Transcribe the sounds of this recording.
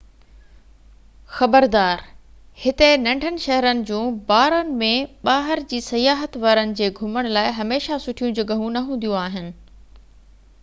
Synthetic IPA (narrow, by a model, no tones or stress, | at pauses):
xɐbəɾd̪aːɾ | hɪt̪enɐ̃ɳɖʱənɪ̆ʃɐɦɾənɪ̆d͡ʑũːbaːɾənɪ̆mẽɓaːɦɪɾd͡ʑiːsɐjaːɦət̪ʋɐɾənɪ̆d͡ʑeːɡʱʊməɽ̃laːɪɦɐmeːʃasʊʈʰijũd͡ʑɐɠəɦũnɐɦũːnd̪ijũaːɦɪnɪ̆